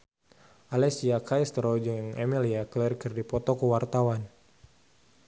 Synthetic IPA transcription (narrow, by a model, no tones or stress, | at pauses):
alɛsiakajst̪əɾɔd͡ʒɨŋɛmiliaklɛrkɨrdipɔt̪ɔkəwart̪awan